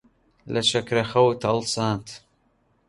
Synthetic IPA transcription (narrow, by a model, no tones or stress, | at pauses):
lɐʃɐkɾɐxɐwt̪ʰɐlsaːnt̪ʰ